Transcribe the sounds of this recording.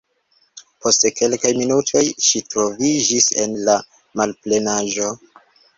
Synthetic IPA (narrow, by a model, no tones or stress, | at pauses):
po̞steke̞lkajminutʰo̞jʃitɾo̞vid͡ʒise̞̰nla | malple̞naʒo̞